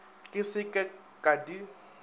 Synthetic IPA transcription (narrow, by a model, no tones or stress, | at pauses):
kʼɪsɪkʼɛ | kʼadi